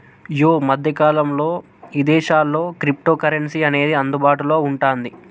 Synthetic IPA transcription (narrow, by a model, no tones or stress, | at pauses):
joːmɐd̪ʱjɐkaːlɐmlo̞ː | id̪ɛːʃaːlːo̞ːkɾip̚ʈoːkɐɾeɳsiɐne̞ːd̪iɐnd̪ubaːʈulo̞ːuɳʈaːnd̪i